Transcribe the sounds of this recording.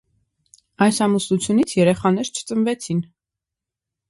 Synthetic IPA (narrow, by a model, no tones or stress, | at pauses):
ɑjsɑmusut͡sʰjunit͡sʰjɛɾɛχɑnɛɾt͡ʃʰə̥t͡sənvɛt͡sʰin